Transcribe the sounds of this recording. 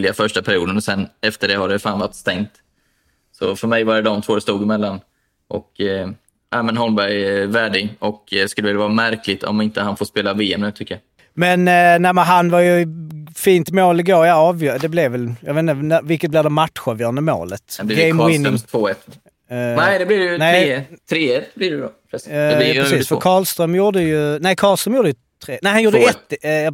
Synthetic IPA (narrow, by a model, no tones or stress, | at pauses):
lɪafœʂʈapʰæɾɪjuːd̪ənɔsɛnːɛft̪əɖɛhaɖɛfaːnvaʈːst̪ɛŋt̪ | sɔ̰fœɾmɛjvaɾɛd̪ɔmt̪ʰvoːd̪ɛst̪uːɡɪmɛlːan | ʔɔk | ʔæːmɛnɦɔlmbæɾjvæːɖɪɡɔkskɵləvɪlːavɑːɾamæɾkʰlɪt̪ʰɔ̰mɪnt̪əhanfoːspeːlaveːɛmnɛːt̪ʰʏkːəja | mɛnnæmənɦanvɑɾjɵfiːnt̪moːlɪɡoːɾjɑɑːvjœd̪ɛblɛvɛljɑ̰ɡveːt̪nd̪ənævɪlkːət̪̚blɪvd̪ɛmat̪ɧɑːvjœːɾand̪əmo̰ːlət̪b̪ɡɛɪmwɪnɪŋt̪ʰvːɛt̪ː | nɛd̪ɛbliɾɛjnɛt̪ʰɾeːɛblɪɾɛɔpʰɾɛɾsiːsfœɾkʰɑːlst̪ɾœmjuːɖəjɵnæɪkʰɑːlst̪ɾəːmjuːɾd̪əjɵ | t̪ʰɾeːnæɪhanjuːɾdəɛt̪ːjɑ